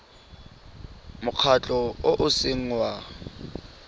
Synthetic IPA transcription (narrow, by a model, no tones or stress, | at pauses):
mʊk͡xʰat͡ɬʼɔoʔʊseŋ̩wa